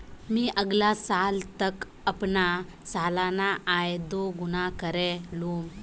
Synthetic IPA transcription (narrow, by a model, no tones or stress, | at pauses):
miːʔəɡlasalt̪ək | əpna | salanaajd̪oɡunakəɾɛluːm